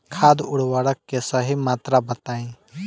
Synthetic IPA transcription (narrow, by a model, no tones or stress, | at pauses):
kʰaːd̪ʊɽwaɽəkːesəɦimaːt̪ɾabət̪aːĩ